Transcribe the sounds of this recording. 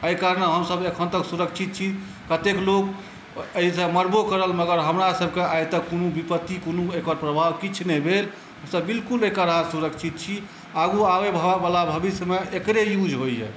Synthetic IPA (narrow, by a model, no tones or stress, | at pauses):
əjkaɾnəɦəmsəbekʰənt̪əksuɾəkt͡ʃʰit̪̚t͡ʃʰi | kət̪eklok | əɦisə̃məɾbokəɾəlməɡəɾɦəmɾasəb̚ʱkeajt̪əkonubipət̪ːikonuekaɾpɾəbʱaʋkit͡ʃʰnebʱel | ɦəmsəbːilkulekaɾɦasuɾəkt͡ʃʰit̪̚t͡ʃʰi | aɡuaʋebʱəbalabʱəbisjəmeekɾejud͡ʒʱɦojɦɛ̰